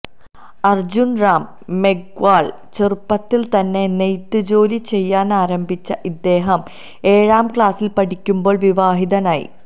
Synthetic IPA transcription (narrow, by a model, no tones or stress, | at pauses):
ɐrd͡ʑunraːmː | eɡʋaːɭ | t͡ɕerupːɐt̪ːilt̪ɐnːe̞nejt̪ːɨd͡ʑo̞ːlit͡ɕe̞jːaːnaːɾɐmbʱit͡ɕːɐʔid̪ːe̞ːɦɐm | e̞ːɻaːmkɭaːsilpɐʈikʲːumbo̞ːɭʋiʋaːɦiðɐnaːjḭ